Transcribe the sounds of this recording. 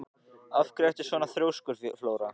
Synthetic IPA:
afkɾɛht̪ɪ̥svɔːnaθɾjowskʏɾ̥floːwɾa

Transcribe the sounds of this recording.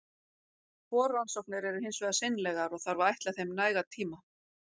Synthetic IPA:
kɔːɾːansɔwknɪɾɛɾʏhɪnsvɛðasɪnlɛɣaɾɔɣθaɾvaajht̪laθejmnaːjɣat̪ʰiːma

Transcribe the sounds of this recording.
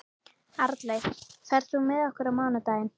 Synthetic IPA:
aɾt̪lejθɛɾ̥sumɪðɔhkʏɾamaːwnat̪aːjɪn

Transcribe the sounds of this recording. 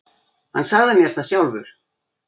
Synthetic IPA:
hanːsaɣðamjɛɾ̥θaðsjawlvʏ̰ɾ̥

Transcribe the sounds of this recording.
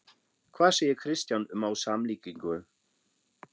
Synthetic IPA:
kʰvaːsejɪkʰɾɪst̪janʏmawsamliːkiŋkʏ

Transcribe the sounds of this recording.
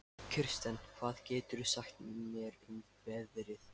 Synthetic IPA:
cʰʏr̥st̪ɛnkʰv̥aːðcɛːt̪ʏɾʏsahxt̪nmjɛɾʏn | pɛðɾɪθ

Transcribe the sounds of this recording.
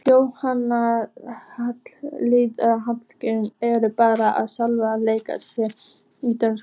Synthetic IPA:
fjoːwhanːa | hat̪llitaðɦat̪l̥cɪnɛɾʏpaːɾaʔa̰ðsalvaleːjka̰sjɛ | it̪œns

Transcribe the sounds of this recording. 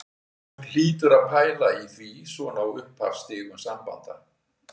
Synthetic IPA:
l̥iːt̪ʏɾaðpʰaːjlaiθvisvɔnawʏhpʰha̰ɾ̥st̪ɪːɣʏmsampa̰nt̪a

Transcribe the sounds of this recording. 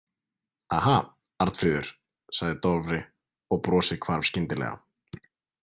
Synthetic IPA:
aːha | aɾ̥t̪fɾiːðʏɾ̥ | saɣðɪt̪ɔɾvɾɪ | ɔɣpɾɔːsɪðkʰvaɾv̥scɪnt̪ɪlɛ̰ɣa̰

